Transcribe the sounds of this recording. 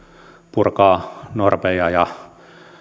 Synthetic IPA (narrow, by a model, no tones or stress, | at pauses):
purkɑːnorpejɑjɑ